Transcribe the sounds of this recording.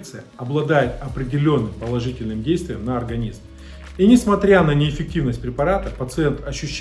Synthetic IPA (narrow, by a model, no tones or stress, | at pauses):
t̪sɨjəɐblˠɐd̪ajɪt̪ɐpɾʲɪdʲɪlʲo̞nːɨmpəlˠɐʐɨtʲɪlʲnɨmdʲejst̪vʲɪjəmnəɐrɡɐnʲizm | inʲɪsmɐt̪ɾʲanənʲɪːfʲɪk̚tʲivnəsʲt̚ʲpɾʲɪpɐɾat̪əpət̪sɨent̪ɐɕːʉɕː